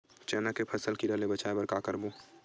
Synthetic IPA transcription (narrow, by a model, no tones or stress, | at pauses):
t͡ʃɛːnakepʰɐsəlkiɾəlebət͡ʃaebɐɾkakəɾbo